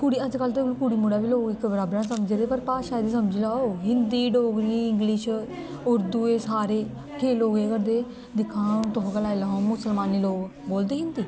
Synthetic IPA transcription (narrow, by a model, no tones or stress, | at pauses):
kʊɽiːəd͡ʒkəlt̪eklukuɽiːmʊɽaːbiːloːkɪkbəɾaːbɾãːsəməd͡ʒd̪eːpəɾpaːʃaːd̪iːsəməd͡ʒlaːoɦɪnd̪iːɖoːɡɾiːɪŋɡlɪʃ | ʊɾd̪uːeːsaːɾeː | kʰeːloːɡeːkəɾd̪eː | d̪ɪkʰːãːt̪oɦkəlaːilaɦõːmʊsəlmaːniːloːɡ | boːld̪iːkɪnd̪iː